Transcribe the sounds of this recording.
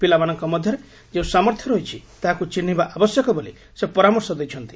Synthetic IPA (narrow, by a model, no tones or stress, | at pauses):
pilamanɔŋkɔmɔd̪ʱjɔɾe | d͡ʒeũsamɔɾt̪ʰjɔɾɔɦit͡ʃʰit̪aɦakut͡ʃin̤ːibaʔabɔsjɔkɔboli | sepɔɾamɔɾsɔd̪ejt͡ʃʰɔnt̪i̥